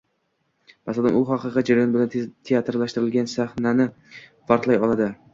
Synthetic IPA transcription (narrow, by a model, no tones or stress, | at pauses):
masad̪ɪmʊχɑqɨqɨd͡ʒaɾjɒnbɪlant̪ʰeat̪ɾlaʃt̪ɪɾɪlɡʲansaχnanɪ | faɾqlˠajɒlˠad̪ɪ